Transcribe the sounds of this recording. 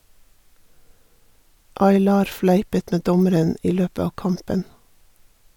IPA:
ɑɪˈlɑːɾ ˈflæɪpət ˈmeː ˈdɔməɾən ˈʔiː ˈløːpə ˈɑː ˈkɑmpən

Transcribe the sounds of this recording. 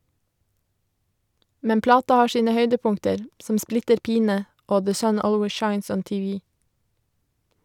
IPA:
ˈmɛn ˈplɑːtɑ ˈhɑː ˈʃiːnə ˈhœʏdəˌpʊŋtəɾ ˈsɔm ˈsplɪtəɾ ˈpiːnə ˈoː ðə ˈsœn ˈoːlweɪ ˈʃɑɪns ˈɔn tɪˈʋiː

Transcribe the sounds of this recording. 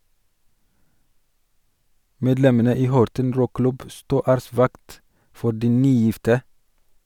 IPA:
ˈmeːdlɛmənə ˈiː ˈhɔɾtən ˈɾuːˌklʉb ə ˈstuː ˈæːɾəˌsʋɑkt ˈfɔ ˈɖiː ˈnyːˌjɪftə

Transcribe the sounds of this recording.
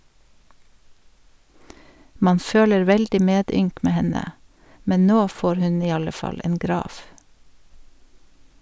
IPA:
ˈmɑːn ˈføːləɹ ˈʋɛldɪ ˈmeːˌdʏŋk ˈmeː ˈhɛnə ˈmɛɲ ˈnoː ˈfoːɾ ˈhʉɲ ˈiː ˈɑlə ˈfɑl ˈeːn ˈɡɾɑːʋ

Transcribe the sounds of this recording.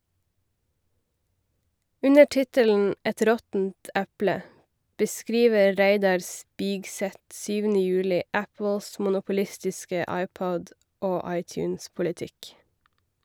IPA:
ˈʉnə ˈtɪtəln̩ ˈɛt ˈɾɔtn̩t ˈʔæplə bəˈskɾiːʋə ˈɾæɪdɑɾ ˈspɪɡˌsɛt ˈsyːʋənə ˈjʉːlɪ ˈʔæpl̩s mʊnʊpʊˈlɪstɪskə ˈɑɪˌpɔd ˈoː ˈɑɪˌtjʉːnspʊlɪˌtɪk

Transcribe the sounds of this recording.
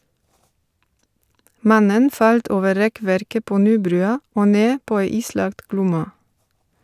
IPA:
ˈmɑnən ˈfɑlt ˈoːʋə ˈɾɛˌkʋæɾkə ˈpoː ˈnyːˌbɾʉːɑ ˈoː ˈneː ˈpoː ˈæɪ ˈiːˌslɑɡt ˈɡlʊmɑ

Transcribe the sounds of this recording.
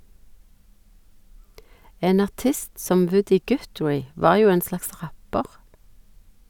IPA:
ˈeːn ɑʁˈtɪst ˈsɔm ˈʋʉdɪ ˈɡʉtɹæɪ ˈʋɑːʁ ˈjuː ˈeːn ˈslɑks ˈʁæpəʁ

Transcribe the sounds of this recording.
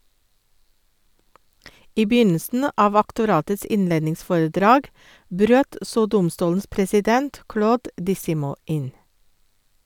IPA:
ˈiː ˈbjʏnəsn̩ ə ˈʔɑːʋ ɑktʊˈɾɑːtəs ˈɪnˌleːdnɪŋˌsfoːɹəˌdɾɑːɡ ˈbɾøːt ˈsoː ˈdʊmˌstuːln̩s pɾɛsɪˈdɛnt ˈkɽoːd dɪˈsɪmuː ˈʔɪn

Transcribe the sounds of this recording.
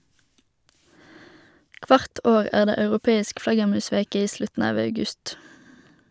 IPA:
ˈkʋɑʁt ˈoːʁ ˈæːʁ ˈdeː ɑʉʁʊˈpeːɪsk ˈflɑɡəʁˌmʉːˌsʋeːkə ˈiː ˈslʉtn̩ ˈɑːʋ ɑʉˈɡʉst

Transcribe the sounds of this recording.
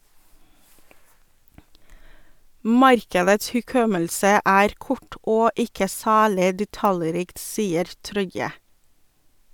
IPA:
ˈmɑɾkədəts hʉˈkɔməlsə ˈæːɾ ˈkɔʈ ˈoː ˈɪkə ˈsæːlɪ dɛˈtɑləˌɾiːkt ˈsiːəɾ ˈtɾɔʏə

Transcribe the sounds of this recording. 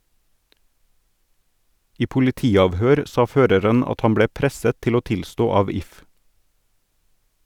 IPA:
ˈiː pʊlɪˈtiːɑʋhøːɾ ˈsɑː ˈføːɾəɾən ˈɑt ˈhɑn ˈbɽeː ˈpɾɛsət ˈtɪl ˈoː ˈtɪlstoː ˈɑːʋ ˈɪf

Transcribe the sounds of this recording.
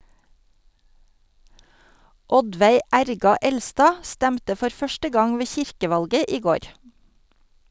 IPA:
ˈɔdʋæɪ ˈæɾɡɑ ˈɛlstɑː ˈstæmtə ˈfɔɾ ˈfœʃtə ˈɡɑŋ ˈʋeː ˈçɪɾkəˌʋɑlɡə ˈiː ˈɡoːɾ

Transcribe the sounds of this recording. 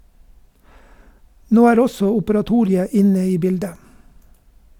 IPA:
ˈnoː ˈæːɾ ˈɔsɔ ʊpəɾɑˈtuːɾɪə ˈɪnə ˈiː ˈbɪldə

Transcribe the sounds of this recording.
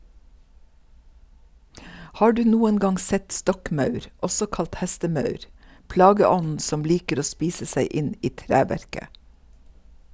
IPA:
ˈhɑː ˈɖʉː ˈnuːən ˈɡɑŋ ˈsɛt ˈstɔkˌmɑʉɾ ˈɔsɔ ˈkɑlt ˈhɛstəˌmɑʉɾ ˈplɑːɡəˌɔnn̩ ˈsɔm ˈliːkəɾ ˈoː ˈspiːsə ˈsæɪ ˈʔɪn ˈiː ˈtɾæːʋæɹkə

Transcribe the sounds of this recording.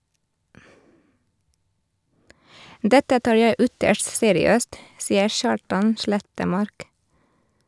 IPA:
ˈdɛtə ˈtɑːɾ ˈjæɪ ˈʏtəʃt ˈseːɾɪˌøːst ˈsiːəɾ ˈʃɑːʈɑn ˈʃɭɛtəˌmɑɾk

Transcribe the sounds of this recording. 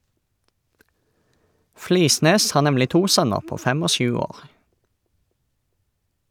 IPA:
ˈfliːˌsneːs ˈhɑː ˈnɛmlɪ ˈtuː ˈsœnəʁ ˈpoː ˈfɛm ˈoː ˈʃʉː ˈoːʁ

